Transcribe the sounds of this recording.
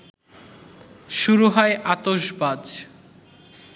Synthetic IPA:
ʃuɾuɦɔeʔat̪oʃbad͡ʑ

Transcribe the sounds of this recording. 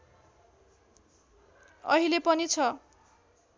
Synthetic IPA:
ʌ̰ɦilepʌnit͡sʰʌ

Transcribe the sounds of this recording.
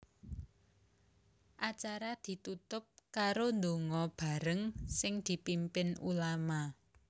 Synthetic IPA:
ʔat͡ʃaɾad̪̥i̤t̪ut̪ʊp̚kaɾond̪o̤ŋɔb̥a̤ɾəŋsɪŋd̪̥i̤pimpɪnṵlama

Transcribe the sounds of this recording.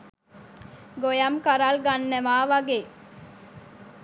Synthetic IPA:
ɡojamkaɾalɡanːeʋaːʋaɡeː

